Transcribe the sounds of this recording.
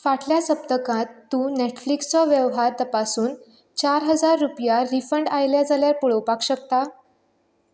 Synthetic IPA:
faʈljasəp̚t̪əkãt̪ːuːneʈflikst͡sɔʋjəʋɦaɾt̪əpasuːn | t͡ɕaɾɦəd͡zaɾːupjaɾifəɳɖajljad͡zaljaɾpuɭəwpakɕək̚t̪a

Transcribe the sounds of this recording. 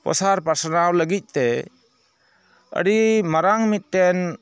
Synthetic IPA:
pɔ̰saɾpasanawləɡic̪̚ˀt̪ɛ | ə̰ɽimaɾaŋmit̪̚ːɛn

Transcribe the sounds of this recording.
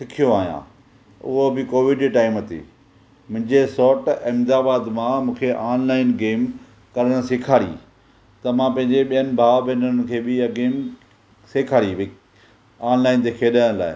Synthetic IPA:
sɪkʰijoaːɦijã̰ː | ʊ̰ɦobɪkoːʋɪɖʈaːɪmɐt̪ḭː | mʊ̃ɦɪ̃ɲd͡ʑesɔːʈɪmd̪aːbaːd̪mãmũːkʰeʔaːnlaːɪnɡeːm | kɐɾəɽ̃sɪkʰaːɾḭ | t̪ɐmãpɐ̃ɦɪ̃ɲd͡ʑeɓijənɪ̆bʱaːbenənɪ̆kʰeːbɪɐɡeːm | seːkʰaːɾibɪ | aːnlaːɪnt̪ʰekʰeːɗəɽ̃la̰ːɪ̰

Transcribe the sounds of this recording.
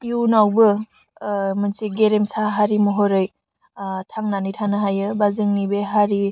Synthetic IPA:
junawbɯ | mɯnsiɡeɾemsaɦaɾimɔɦɔɾɯj | tʰaŋnanitʰanɯɦajɯbazɯŋnibeɦaɾi

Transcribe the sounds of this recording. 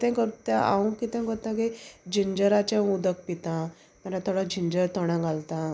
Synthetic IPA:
kit̪ɛ̃kəɾt̪aʔa̰ũkit̪ɛ̃kɔɾt̪ãked͡ʑiɲd͡ʑəɾat͡ɕãud̪ək̚pit̪ã | məɾat̪ʰɔɽad͡ʑiɲd͡ʑəɾt̪ɔɽ̃ãɡalt̪ã

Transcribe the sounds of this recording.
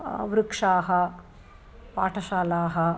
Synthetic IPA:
ʋɾukʂaːɦɐ | pa̰ːʈʰɐʃaːlaːɦɐ

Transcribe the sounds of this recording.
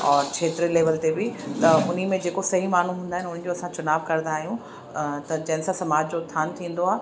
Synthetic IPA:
ɔːɾt͡ɕʰeːt̪ɾileːʋəlt̪ebɪt̪ɐʊn̤imẽd͡ʑeːkosɐɦimaːn̤ũɦũːnd̪aːɦɪnʊn̤̆d͡ʑoɐsãt͡ɕʊnaːbkɐɾnd̪aːɦijũ | t̪ɐd͡ʑɐ̃ɦɪ̃nsãsɐmaːd͡ʑd͡ʑoɪst̪ʰaːnt̪ʰĩːn̆d̪oaːɦ

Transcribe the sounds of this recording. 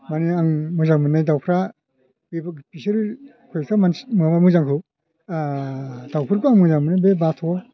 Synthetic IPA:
maniaŋmɯzaŋmɯnajdawpʰɾa | bibpisiɾ | kʰɯjsamansmɯbamɯzaŋkʰɯ | dawpʰɯɾkuaŋmɯzaŋmɯnajbebatʰɔ

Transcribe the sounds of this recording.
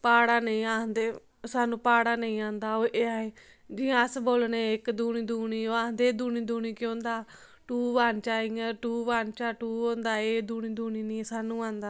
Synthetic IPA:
paːɽaːnəĩːaːd̪eː | saːnũːpaːɽaːnəĩːãːnd̪aːoːeːaːeː | d͡ʒɪːãəsboːlnẽɪkd̪uːñĩːd̪uːniːoːaːnd̪eːd̪uːniːd̪uːɽ̃iːkõːnd̪aː | ʈuːʋaːnt͡ʃaːiãːʈuːʋaːnt͡ʃaːʈuːõːnd̪aːeːd̪uːɽ̃ĩːd̪uːniːnːsaːnũːãːnd̪aː

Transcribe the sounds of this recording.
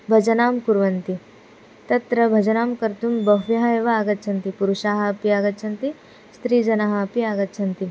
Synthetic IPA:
bʱɐd͡ʒɐnaːmkuɾʋɐnt̪i | t̪ɐt̪ɾɐbʱɐd͡ʒɐnaːmkɐɾt̪umbɐɦʋjɐɦɐeʋɐaːɡɐt̪ːʃʰɐnt̪ipuɾuʃaːɦɐpiaːɡɐt̪ːʃʰɐnt̪i | st̪ɾiːd͡ʒɐnaɦɐpiaːɡɐt̪ːʃʰɐnt̪i

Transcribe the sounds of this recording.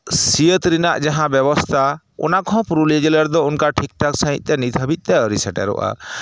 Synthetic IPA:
siət̪ɾinaʔd͡ʒaɦãbɛbɔst̪ʰa | ɔ̰nakʰɔ̃pɾulid͡ʒiləɾd̪ɔunkaʈʰik̚ʈɔksəɦḭ̃t̪̚t̪ɛnit̪ʰəbit̪̚ˀt̪ɛɾisɛʈɛ̰ɾɔ̰ʔa̰

